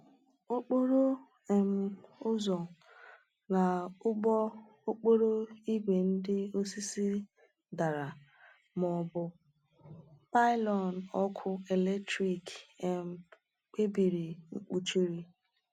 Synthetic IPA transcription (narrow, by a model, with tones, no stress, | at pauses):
o˦k͡po˦ɾo˦ | e˨m̩˨ʊ˦zɔ˨ | na˨˦ɔ˦ | o˦k͡po˦ɾo˦i˦ɡʷe˨n̩˦dɪ˦o˦si˦si˦ | da˨ɾa˨ | mɔ˨bʊ˨ | pa˦ɪ˦lɔ˨n˨ɔ˦kʰʊ˦e˨le˦ktɾi˦kɛ˨m̩˨ | k͡pe˦bi˨ɾi˨ŋ͡m̩˦k͡pu˨t͡ʃi˦ɾi˦